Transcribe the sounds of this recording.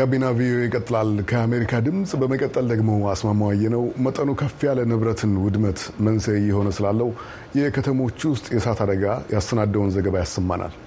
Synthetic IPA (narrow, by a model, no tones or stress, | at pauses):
ɡabːinavio̞eɪkʼət̪ʼːɨlalkʰəame̞ɾikʰad̪ɨmsʼbəməkʼət̪ʼːəld̪əɡmo̞asmamawajːɛnəwmət̪ʼənokʰəfːijalənɨβɾət̪ʰɨnwʊd̪mət̪mənsəjːɪho̞nəsɨlalːəhu | jɛkʰət̪ʰəmo̞t͡ʃːwʊst̪ʼjɛsat̪ʰad̪əɡajast̪ənad̪ːəwunzəɡəβajasːəmːa̰nʔa̰l